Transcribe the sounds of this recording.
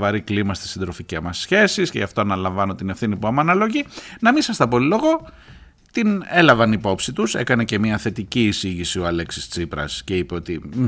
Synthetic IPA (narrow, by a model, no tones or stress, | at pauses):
vɐɾiklimɐst̪i̥sind̪ɾo̞ficemɐsçe̞sisceʝɐft̪oɐnɐlɐ̃ɱvɐno̞t̪ine̞fθinipuɐmɐnɐlo̞ʝinɐmisɐst̪ɐpo̞lilo̞ɣo̞ | t̪ine̞lɐvɐnipo̞psit̪use̞̰kɐne̞ce̞miɐθe̞t̪iciːsiʝisio̞ɐle̞ksist͡sipɾɐ̰sce̞ipe̞o̞t̪i